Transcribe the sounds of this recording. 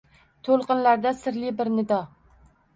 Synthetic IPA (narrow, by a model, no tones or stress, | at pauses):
t̪ʰolˠqɨnlaɾd̪asɪɾlɪbɪɾnɪd̪ɒ